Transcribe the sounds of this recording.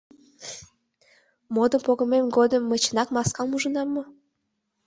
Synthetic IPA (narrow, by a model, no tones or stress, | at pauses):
mod̪əmpoɣə̆memɡod̪əmːət͡ɕənɑkmɑskɑmuʒənɑmːo